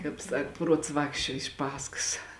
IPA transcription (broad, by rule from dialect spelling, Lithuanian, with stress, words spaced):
ˈkɑːp ˈsɐk ˈpruɔts ˈʋɑːkʃʲt͡ʃʲuɔ ɪʃ ˈpɑːskɐs